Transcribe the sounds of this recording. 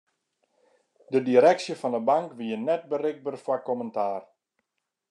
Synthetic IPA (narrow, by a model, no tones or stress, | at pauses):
dədiɾɛksjəfɔndəbaŋkʋiənɛt̚bərɪɡ̚bərfwakɔməntaːr